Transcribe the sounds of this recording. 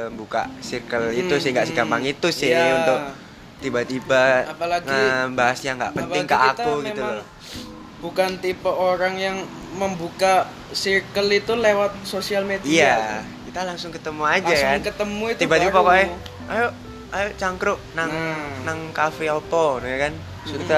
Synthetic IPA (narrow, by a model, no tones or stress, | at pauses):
mbuka̰sirkəlit̪usɪŋɡaʔsiɡampaŋit̪usɪunt̪ʊk̚ | t̪ibat̪ibaapalaɡəbaɦasjaŋɡa̰ʔpəp̪ɪŋkaʔakuɡmiul | b̥ukant̪ipəʔoɾaŋjaŋ | məmbuka | sikəlit̪ulewat̪̚sosialmed̪ijakit̪alaŋsʊŋkət̪əmuad͡ʒakankət̪əmuit̪ibat̪ipakoɛ | ajo | ajot͡ʃaŋkɾʊʔnaŋnaŋkafeot̪ɔnujakan | t̪a